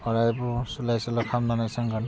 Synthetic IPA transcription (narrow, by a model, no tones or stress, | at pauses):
ɔɹajbɔsulajsɔlakʰamnanajsaŋɡan